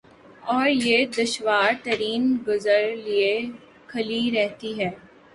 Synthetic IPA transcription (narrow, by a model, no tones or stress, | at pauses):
ɔːɾjed̪ɐʃʋaːɾt̪ɐɾiːnɡʊzəɾlie | kʰɐliɾɛɦt̪iɦɛː